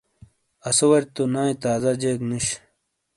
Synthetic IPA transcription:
ɐsowɐɾt̪onãːĩt̪aːzɐd͡ʑeːkniɕ

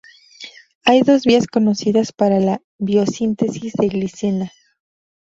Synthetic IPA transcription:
ajðo̞zβiasko̞no̞siðaspaɾala | βjo̞sint̪e̞sizðe̞ɣlisena

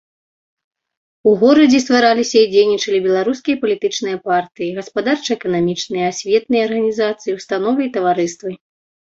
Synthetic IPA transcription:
uɣɔɾɐd͡zʲɛst̪vaɾalʲisʲɐid͡zʲejnʲit͡ʂɐlʲibʲɛlˠaɾus̬kʲijɐpɐlʲit̪ɨt͡ʂnɨjɐpart̪ɨjiɣɐspad̪art͡ʂɐɛkɐnamʲit͡ʂnɨjɐasʲvʲɛt̪nɨjɐɐrɣɐnʲizat̪sɨjiwst̪an̪ɔvɨit̪ɐvaɾɨst̪vɨ

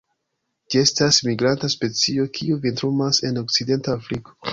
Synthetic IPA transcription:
d͡ʒie̞stasmiɡɾantaspe̞t͡sio̞kʰiuvintɾumase̞no̞k̚side̞ntaːfɾiko

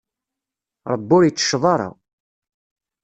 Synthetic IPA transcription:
ɾˤəbːʊɾjət͡sːə̥ʃðˤɑɾˤɑ̰

